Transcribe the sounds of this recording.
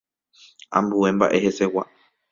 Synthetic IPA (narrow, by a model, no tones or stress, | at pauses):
ã̰mbue̞mba̰ʔe̞he̞se̞wa